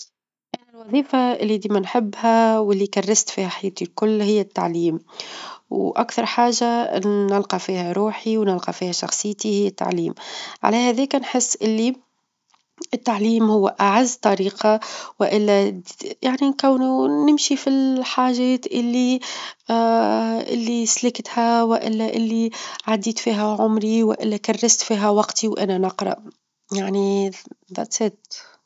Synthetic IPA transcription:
ʔænælwɑðˤiːfaʔɪlːid̪iːmænħɪbːhæwɪlːikarːɪst̪fiːhæħajːt̪ilkʊlːhɪjːæt̪ːa̰ʕliːm | wʔakθɑɾˤħaːʒanɪlqɑfiːhæɾuːħiwnɪlqɑfiːhæʃɑ̰xsˤɨjːt̪ihɪjːæt̪ːa̰ʕliːmʕa̰læhæðɛːknħɪsːʔɪlːi | ʔɪt̪ːaʕliːmhʊwːʔaʕazːt̪ˤɑɾiːqɑwɪʔɪlːæjaʕnikæwːnunɪmʃifilħaːʒɛːt̪ʔɪlːi | ʔɪ̰lːislɪkt̪hæwɪʔɪ̰lːæʔɪlːiʕad̪ːiːt̪fiːɦæʕʊmɾiwɪ̰ʔɪlːækarːɪst̪fiːɦæwɑqt̪ʰiwʔæ̰nænɑqɾˤɑ̰ʔ | jaʕniðˤɑsæːt̪

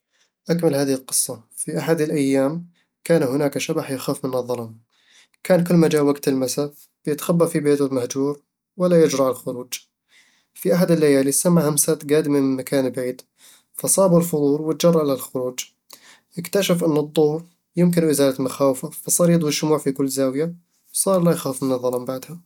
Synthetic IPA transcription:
ʔakməlhaːðɪhɪlqɨ̥sˤːɑ | fiʔaħad̪əlʔajːaːm | kaːnhʊnaːkaʃabaħjaxaːfmʊnɑðˤːɑɾˤɑn | kʰaːnkʊlːmad͡ʒawaɡt̪ɪlmasaf | jɪt̪xabːafibeːt̪ʊlmahd͡ʒuːɾ | wɪlːajʊd͡ʒɾɑʕalxʊɾuːd͡ʒ | fiʔaħad̪əlːajælisamːʕahamsat̪ɡæd̪mənmakʰænbʕiːd̪ | fæsˤɑːbulfʊd̪ˤuːɾwət̪d͡ʒɑrˤːʕlalxʊɾuːd͡ʒ | jəkt̪æʃəfʔənːəd̪ˤːohɾ | jʊmk̬ɪnʔɪzælat̪maxawfafæsˤɑɾˤjəd̪ˤwəʃʊmuːʕfikʊlːzæwja | sˤɑːɾˤlæjxafmənəðˤːɑlɑmbaʕd̪ha

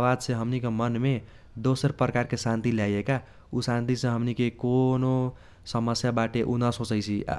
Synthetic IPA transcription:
bad̪sẽɦəmnikemənme | d̪osəɾpɾəkaɾkesant̪iljajeka | usant̪isʌ̃ɦəmnikekono | səməsjabaʈeʔunʌsɦot͡səjt͡sʰi

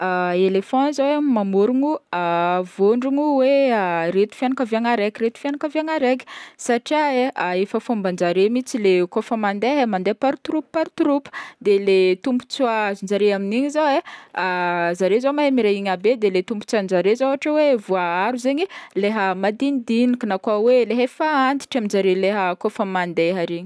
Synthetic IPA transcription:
aelefɔ̃nzawamamoɾuŋuavoɳɖ͡ʐuŋuweaɾet̪u̥fjanakəveaŋaɾekʲiɾet̪u̥fjanakəveaŋaɾekʲi̥saʈ͡ʂiaeaefəfumband͡ʒaɾemit͡silekofəmand̪eɦemand̪epaɾut̪uɾuppaɾut̪uɾupə̥d̪elet̪umpu̥t͡suazund͡zaɾeaminiɲizaeazaɾezomaɦemiɾeiɲabed̪elet̪umpu̥t͡sanzaɾezauaʈ͡ʂəwevuaaɾuzeɲileɦəmad̪inid̪inikinakwaweleɦefaand̪i̥ʈ͡ʂiamind͡ʒaɾeleɦəkofəmand̪eɦaɾiɲi

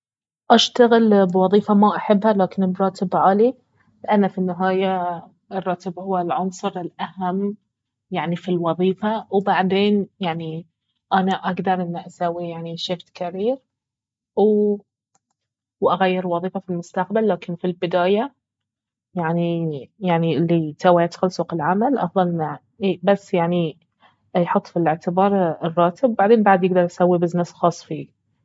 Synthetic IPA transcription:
ʔaʃt̪aɣɪlbwɑðˤiːfamaʔaħɪbːhalaːkɪnɪbɾˤɑːt̪ɪbʕaːli | lɪʔanːafinːɪɦaːja | ɪrˤːɑːt̪ɪbhʊwːalʕʊnsˤɨɾɪlʔahamː | jaʕnifilwɑðˤiːfawbaʕd̪eːnjaʕni | ʔanaʔaɡd̪ɑɾˤʔɪnːiʔasaːwijaʕniʃɪft̪kʰaɾiːɾ | w | wʔaɣajːɪɾwɑðˤiːfafilmʊst̪aqbalːaːkɪnfilbɪd̪aːja | jaʕnijaʕniɪlːit̪awajat̪xalsuːqɪlʕamalʔɑ̰fðˤɑlʔɪnːa | basːjaʕni | jħʊt̪ˤːfilɪʕt̪ɪbɑːɾˤɪrˤːɑːt̪ɪbwbaʕd̪eːnbaʕd̪jɪɡ̚d̪ɑɾˤʔasawːibɪznasxɑːsˤfiː

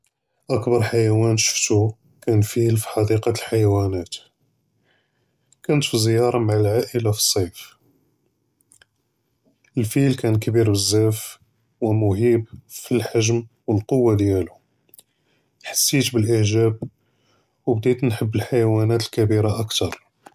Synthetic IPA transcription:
ʔəkbɑɾˤħajæwænʃə̥ft̪u | kænfilfi̥ħɑd̪iqɑlħajwænæt̪ | kænət̪fizjɑɾˤɑmaʕalʕaʔəlafi̥sˤːɑjf | əlfilkænkæbiɾbəzːæf | wəmʊhibfilħaʒm | wəlqowːad̪jælu | ħḁsːit̪bəlʔəʕʒæb̚ | wəbd̪it̪nħəbːəlħajwænæt̪əlkæbiɾaʔəkt̪ɑɾˤ

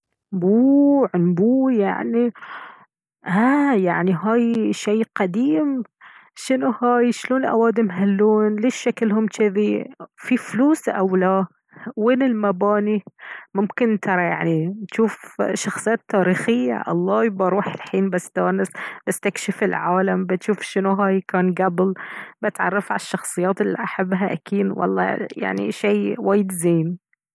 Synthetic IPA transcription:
buːʕʊnbuːja̰ʕni | ʔajaʕniɦaːjʃajːqad̪iːm | ʃɪnuhaːjʃloːnʔa̰waːd̪ɪmɦalːoːnlɪʃːakɪlhʊmʃɪðififluːsʔawla | weːnɪlmabaːnimʊmkɪnt̪ʰɑɾˤɑja̰ʕnit̪ʃuːfʃɑxsˤɨjːaːt̪ːaːɾiːxɪjːa̰ʔɑ̰lˤːɑːjbaɾˤuːħɪlħiːnbast̪aːnɪsbɪst̪akʃɪfɪlʕaːlambɪt̪ʃuːfʃɪnuɦaːjkaːnɡablbɪt̪ʕɑ̰rˤːɑfʕaʃːɑxsˤɨjːaːt̪ɪlːiʔaħabːɦaʔa̰kʰiːd̪wɑ̰lˤːɑ̰ja̰ʕnḭʃejwaːjɪd̪zeːn

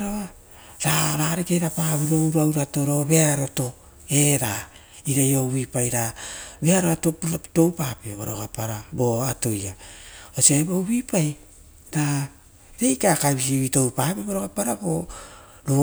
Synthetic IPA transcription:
ɾoa | ɾaɾaɾekejɾapaβiɾowɾawɾato̞ɾo̞βe̞aɾo̞to̞ | e̞ɾa | iɾajoβipajɾabeaɾoɾatoto̞wpapebo̰ɾo̰ɡapaɾabo̞ato̞jaoseboβipaj | ɾa | ɾejkakajβis̬iβito̞wpapeβoɾoɡapaɾabo | ɾo

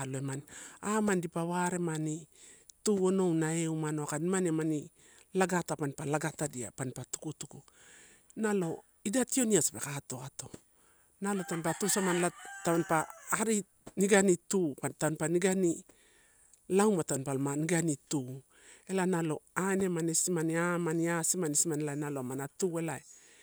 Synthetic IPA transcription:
loemanamandipaβaɾe̞manituo̞no̞wnaeumanoakanimanemani | laɡatapanpalaɡatadia̰panpatu̥kutuku | nalo̞ | idatio̞niasbe̞kato̞ato̞ | nalo̞tanpatusamanlataβanpaːɾi | niɡanitupantanpaniɡani | lawmataonpalmaniɡanitu | e̞lanalo̞̰ane̞manesimaniamaniasimanesimanelajnaloamanatue̞lae

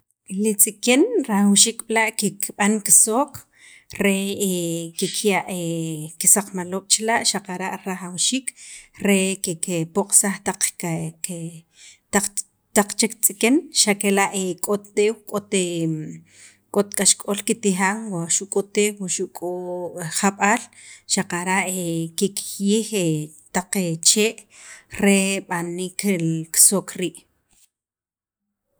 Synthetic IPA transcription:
lit͡sʼikenɾaχawʃiːkɓilaʔkekɓaŋki̥soːk | ɾe | kekʰjaʔekisaq͡χmaloːɓ̥t͡ʃelaʔʃaqaɾaʔɾaχawʃiːkɾekekepoqʼsaχt̪aqke | t̪a | t̪aq͡χt͡ʃekt͡sʼikenʃakelaʔekʼot̪ːeːwkʼot̪e | kʼot̪kʼaʃkʼolkit̪ixaːŋwaʃuʔkʼot̪eːwaʃuʔkʼoχaɓaːlʃaqaɾaʔekekjiːxe | t̪aq͡χet͡ʃeːʔɾeɓaniːkeksokɾiːʔ

